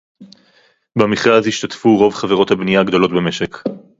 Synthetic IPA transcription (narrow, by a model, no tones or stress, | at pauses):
bemiχʁazhiʃt̪at̪fuʁo̞vχaveʁo̞t̪habnijaɡd̪o̞lo̞tbeme̞ʃek